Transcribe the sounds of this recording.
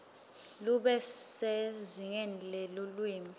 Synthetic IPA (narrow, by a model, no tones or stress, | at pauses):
luɓɛsɛziŋɛnlɛlulwiːmi